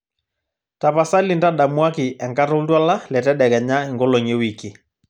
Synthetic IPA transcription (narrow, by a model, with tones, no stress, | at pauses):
ta˨pa˨sa˦li˨nda˦ɗa˨mwa˦ki˨ʔɛ˨ŋka˦tɔ˦twa˦la˦lɛ˨tɛ˦ɗɛ˨ɣɛ˨ɲa˦i˨ŋɡɔ˦lo˨ŋe˦wi˨ki˨